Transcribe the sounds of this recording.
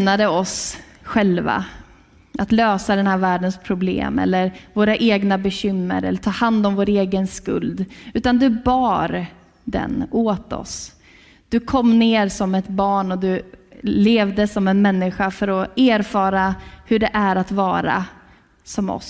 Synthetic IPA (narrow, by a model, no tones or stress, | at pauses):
nad̪əɔs | ɧɛlva̰ | ʔat̪løːsad̪ɛnhæːɾvæːɖənspʰɾʊblḛːmɛ̰lːəɾvoːɾaʔeːɡnabɛɕʏmːə̰ɾɛ̰lːəʈʰɑːhand̪ɔmvoːɾeːɡənskɵ̰ld̪ʉ̟ːt̪and̪ɵbɑːɾ | d̪ɛ̰noːt̪ɔ̰s | d̪̥ɵkʰɔmːneːɾsɔmɛt̪bɑːɳɔd̪ɵleːvd̪əsɔmɛnmɛnːɪɧafœɾɔeːɾfɑːɾahɵɖɛʔæɾat̪vɑːɾa̰ | sɔmɔ̰s